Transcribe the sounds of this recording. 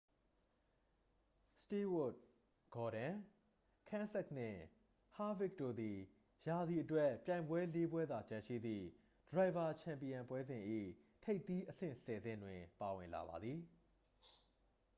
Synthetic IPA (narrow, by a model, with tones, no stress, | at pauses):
sti˦wʊ˦˨t̚ | ɡ̥ɔ˨ɾã˨ | kʰã˦nsɛ˦k̚n̥ɪ̰̃˦˨ | ha˦vɪ˦k̚to̰˦˨d̪i˨ | ja˨d̪ði˨ʔətwɛ˦pjã˨ɪ̃mbwɛ˦le˦bwɛ˦d̪a˨t͡ɕã˨ʃḭ˦˨d̪ðḭ˦˨ | d̥əɹa˨ɪ̃˨ba˨t͡ɕʰã˨mpi˨ã˨mpwɛ˦zɪ̃˨ʔḭ˦˨ | tʰe˦ɪt̪i˦ʔəsɪ̰̃˦˨sɛ˨zɪ̰̃˦˨ndwɪ̃˨pa˨wɪ̃˨nla̰˨ba̰˨d̪ði˨